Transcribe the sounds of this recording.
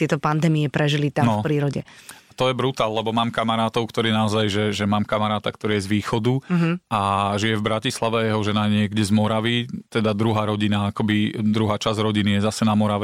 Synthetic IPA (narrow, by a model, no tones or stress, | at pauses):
t̪ɪɛt̪ɔpand̪ɛːmiɛpɾɛʒilit̪anɔfpɾiːɾɔɟɛ̰at̪ɔjɛbɾut̪aːllɛbɔmaːmkamaɾaːt̪ɔʊkt̪ɔɾiːnaɔzajʒɛʒɛmaːmkamaɾaːt̪akt̪ɔɾiːjɛzʋiːxɔd̪uaʒijɛvbɾacislaʋɛajɛɦɔʒɛnaɲɪɛɡɟɛzmɔɾaʋit̪ɛd̪ad̪ɾuɦaːɾɔɟinaakɔbid̪ɾuɦaːt͡ʃazɾɔɟinijɛzasɛnamɔɾaʋɛ